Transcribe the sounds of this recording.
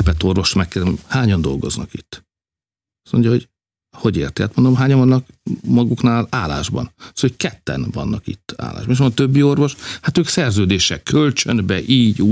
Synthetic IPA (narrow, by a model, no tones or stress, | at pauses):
pɛt̪o̞rvo̞ʃmɛkːɛlmhaːɲɒnd̪o̞̰lɡo̞̰znɒkit̪ː | ɒsmo̞̰ɲɟjɒɦo̞ɟ | ho̞ɟḛːrt̪ia̰ːt̪mond̪omɦaːɲɒɱvɒnːɒkmɒɡuknaːlaːla̰ːʒbɒ̰nsokɛt̪ːɛ̰nvɒnːɒkḭt̪ːa̰ːla̰ːʒbɒmeʃ̬mot̪øbːio̞rʋo̞ʃhat̪øːksɛrzøːd̪eːʃɛkːølt͡ʃønbɛʔiːɟuː